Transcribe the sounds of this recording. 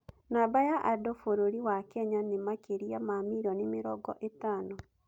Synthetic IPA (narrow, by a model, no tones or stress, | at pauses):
nabajaʔadofoɾoɾiwakɛɲanemakeɾiamamiɾɔnimeɾɔɡɔ̰ʔetaːnɔ